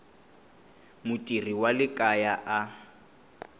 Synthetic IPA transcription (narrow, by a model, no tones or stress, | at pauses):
mʊtʼiriwalɪkʼajaʔa